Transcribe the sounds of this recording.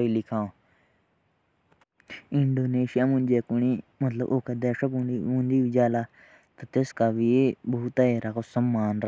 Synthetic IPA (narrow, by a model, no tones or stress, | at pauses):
ilɪkʰãː | ɪɳɖoːneːʃɪjaːmʊ̃nd͡ʒeːkʊniːmɐt̪lə̰bʔoːkeːd̪ɛːʃəkːũnd̪iːʋid͡ʒaːlaː | t̪at̪eskaːʋibuːt̪aeɾakʰosəmːaːnɾ